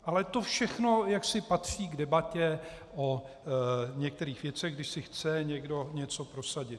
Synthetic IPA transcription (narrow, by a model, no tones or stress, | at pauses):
ʔalɛt̪ofʃɛxno̞jaksɪpat̪r̝̥iːɡdɛbacɛ | ʔo | ɲɛk̚t̪ɛɾiːxvjɛt͡sɛɣɡdɪʃsɪxt͡sɛɲɛɡdo̞ɲɛt͡so̞pɾo̞saɟɪt̪